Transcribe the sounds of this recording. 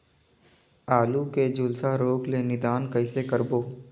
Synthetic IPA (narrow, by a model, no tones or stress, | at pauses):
aːluked͡ʒʊlsaɾoːɡlenɪd̪aːnkəɪsekəɾboː